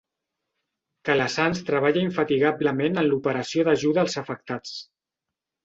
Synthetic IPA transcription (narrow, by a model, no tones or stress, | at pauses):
kələsanst̪ɾəβ̞aʎəiɱfət̪iɣabləmenənlupəɾəsioðəʒuðəːlˠzəfək̚t̪at͡s